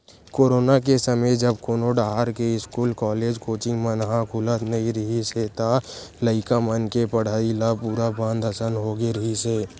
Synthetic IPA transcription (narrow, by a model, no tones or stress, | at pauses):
koːɾoːnak̬esəməjd͡ʒəbkoːnoɖaːɦaɾkeɪskuːlkɔːleːd͡ʒkoːt͡ʃimənɦãkʰʊlət̪nɐĩɾəɦiset̪a | ləɪkamənkepəɽ̤aːilapuːɾabãːnd̪ʱəsənɦoɡeɾəɦiseː